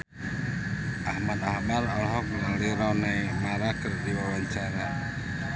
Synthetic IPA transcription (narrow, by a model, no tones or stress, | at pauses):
ʔahmat̪ahbalalɦɔk̚məŋaliɾɔnajmaɾakərdiwawaɲt͡ʃaɾa